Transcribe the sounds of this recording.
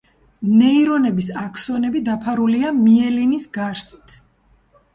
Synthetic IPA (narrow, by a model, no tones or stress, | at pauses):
nɛiɾɔnɛbisakʰsɔnɛbid̪apʰaɾuliamiɛlinisɡaɾsi̥t̪ʰ